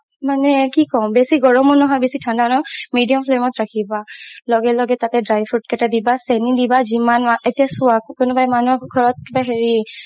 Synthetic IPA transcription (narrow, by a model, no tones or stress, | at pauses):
manɛkikɔwbesiɡɔɹɔmɔnɔɦɔjbesitʰandanɔmidijɔmpʰlemɔtɹakʰibalɔɡɛlɔɡɛtatɛdɹajpʰut̚kɛtadibasenidibazimanmaʔetijasʊakkʊnʊbajmanuɡʱɔɹɔt̚kibaɦeɹi